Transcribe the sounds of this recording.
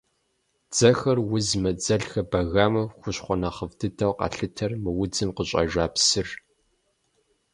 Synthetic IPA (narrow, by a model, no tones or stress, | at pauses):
d͡z̥ɐxɐrwʊzmɐd͡zɐɮxɐbɐɣaːmɨxʷʊɕχʷɔnɐχəvdʰɨtʰɐwqɑ̰ɬɨtʰɐrmɨwʊd͡zɨmqəɕʼɐ̰ʒaːpsɨr